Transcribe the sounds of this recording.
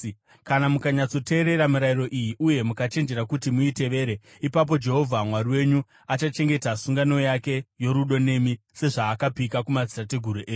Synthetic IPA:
kanamukaɲat͡so̞te̞ːɾe̞ɾamuɾaiɾo̞ʔijiʔuje̞mukat͡ʃe̞nd͡ʒe̞ɾakutimuite̞ʋe̞ːɾe | ipap̬o̞d͡ʒe̞ɦo̞vʱamwariwe̞ɲu | at͡ʃat͡ʃe̞ŋɡe̞tasuŋɡano̞jake̞jo̞ɾuɗo̞ne̞mi | se̞ʐaːkabʱikakumad͡zitate̞ɡʱuɾuʔeːɲ

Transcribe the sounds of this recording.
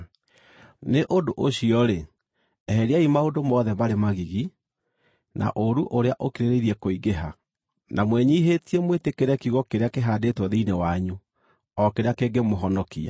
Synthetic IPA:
neʔodoʔoɕiɔɾe | ɛɦɛɾeaimaodomɔðɛmaɾemaɣiɣi | na̰ʔoɾuʔoɾeaʔokiɾeɾeiɾiɛkoiɡeɦa | namwɛɲiɦetiɛmwetekeɾɛkiɣɔkeɾeakeɦaːdetwɔðeinewaɲu | ɔkeɾeakeɡemoɦɔnɔkia̰

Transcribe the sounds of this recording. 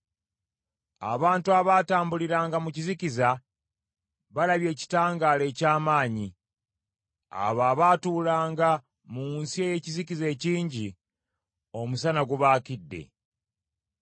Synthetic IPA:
a̰βaːntuaβaːtaːmbuliɾaːŋɡamuciziciza | βalaβje̞ːci̥taːŋɡaːle̞ːcaːmaːɲi | a̰βaːβatuːlaːŋɡa | munsie̞je̞cizikize̞ːciːɲɟi | o̞musanaɡuβaːkidːe̞̰

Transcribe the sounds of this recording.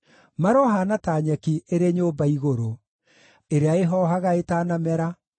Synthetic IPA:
maɾɔɦanataːɲɛkieɾeɲoːmbaiɣoɾo | eɾeaeɦɔːɦaɣaetaːnamɛɾa

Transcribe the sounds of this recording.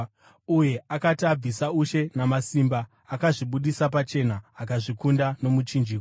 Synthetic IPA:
uje̞akatiab͡visauʃe̞namasiːmbaː | kaʐiɓuɗisap̬at͡ʃe̞naːkaʐikundano̞mut͡ʃind͡ʒiːko

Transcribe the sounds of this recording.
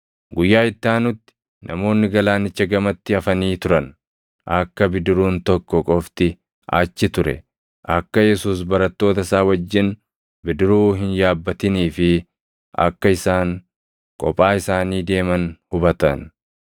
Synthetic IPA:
ɡʊjːaːɪt̪ːaːnʊt̪ːɪ̥ | nʔɐmo̞ːnːɪɡɐlaːnɪt͡ʃːɐɡɐmɐt̪ːɪɐfɐniːt̪ʊɾɐn | ʔɐkːɐbɪd̪ɪɾuːnt̪ɔkːɔkʼɔft̪ɪ | ʔa̰ːt͡ʃːɪt̪ʊɾɛ̰ | ʔɐkːɐjɛsuːs̬bɐɾɐt̪ːo̞ːt̪ɐsaːwɐd͡ʒːɪn | bɪd̪ɪɾuːɦɪnjaːbːɐt̪ɪniːfɪ | ɐ̰kːɐɪsaːŋ | kʼɔ̰pʼːaːɪsaːniːd̪e̞ːmɐnhʊbɐt̪ɐn

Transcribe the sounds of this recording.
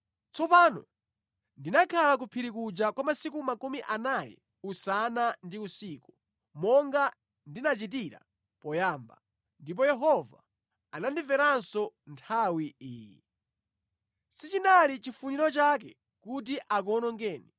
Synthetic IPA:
t͡sɔpanɔ̰ | ndinakʰalak̬upʰiɾikud͡ʒakwamasikumakumiʔanajɛ̰ | usanandiusiːku̥ | mɔŋɡa | ndinat͡ʃitiɾa̰ | pɔjaːmba̰ | ndip̬ɔjɛɦɔva̰ | anandivɛɾansɔntʰawiiːjḭ | sit͡ʃinalit͡ʃifuniɾɔt͡ʃak̬ɛ | kutiʔak̬ɔnɔŋɡɛːni

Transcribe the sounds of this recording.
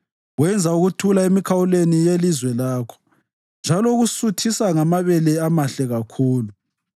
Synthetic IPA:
wɛnd͡zʱauɣutʰulaemikʰawulenijelizwɛlaːkʰɔ̥ | nd͡ʒʱalɔɣusutʰisaŋamaβɛlɛamaɬɛɣakʰuːlu

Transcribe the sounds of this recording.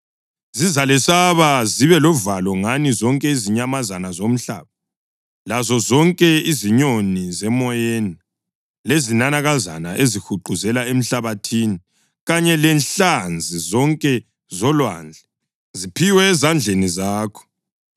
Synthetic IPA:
zizalɛsaβaziβɛlɔvalɔŋanizɔŋkʼɛiziɲamazanazom̩ɬa̰ːβa | lazɔzɔŋkʼɛiziɲonizɛmɔjeːni | lezinanaɣaza̰naʔezixuǃʱuzɛlaem̩ɬaβatʰiːni | ɣaɲɛlɛnɬand͡zʱizɔŋkʼɛ | zɔlwa̰nd͡ɮʱɛ | zipʰiwɛːzand͡ɮʱenizaːkʰɔ̥

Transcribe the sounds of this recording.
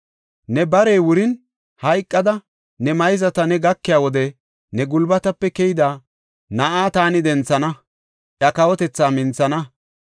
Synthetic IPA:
nɛbɐɾeːwʊɾɪn | hɐjkʼːɐd̪ɐ | nɛmɐjɪzɐt̪ɐnɛɡɐkːɪjaːwɔd̪ɛ | nɛɡʊlbɐt̪ɐpːɛkɛjɪd̪aː | nɐʔaːt̪aːnɪd̪ɛnt͡sːɐnɐ | ʔjɐkɐwɔt̪ɛt͡sːaːmɪnt͡sːɐnɐ

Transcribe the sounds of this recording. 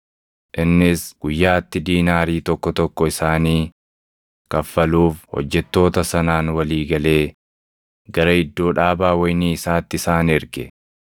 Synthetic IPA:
ʔɪnːɪsɡ̥ʊjːaːt̪ːɪd̪iːnaːɾiːt̪ɔkːɔt̪ɔkːɔɪsaːniː | kɐfːɐluːfhɔ̰d͡ʒːɛt̪ːo̞ːt̪ɐsɐnaːnwɐliːɡɐle̞ː | ɡɐɾɐɪd̪ːo̞ːᶑaːbaːwɐjniːɪsaːt̪ːɪsaːnɪɾɡɛ̰

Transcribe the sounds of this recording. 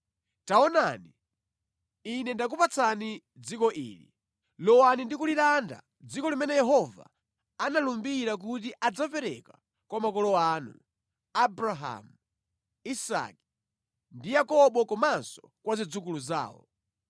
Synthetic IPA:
taɔnani | inɛndak̬upat͡sʰani | d͡zikɔʔḭːlḭ | lɔwanindikulilanda̰ | d͡zikɔlimɛnɛjɛɦɔva̰ | analumbiɾak̬ut̬iʔad͡zapɛɾɛka | kwamakɔlɔaːnṵ | abɾaɦa̰mu | isa̰ki̥ | ndijakɔɓɔkɔmansɔ̥kwazid͡zukuluza̰ːwɔ̰

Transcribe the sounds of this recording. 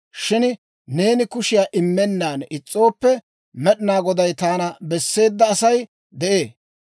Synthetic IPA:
ʃɪn | ne̞ːnɪkʊʃɪjaːʔɪmːɛnːaːnɪt͡sʼːo̞ːpːɛ | mɛɗɪnaːɡɔd̪ɐjt̪aːnɐbɛsːe̞ːd̪ːɐːsɐj | d̪ɛʔe̞ː

